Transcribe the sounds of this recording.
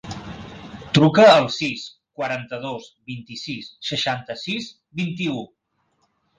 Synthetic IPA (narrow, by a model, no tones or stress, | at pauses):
t̪ɾukəːlˠsis | kwəɾant̪əðozbint̪isisːəʃant̪əsiz | bint̪iu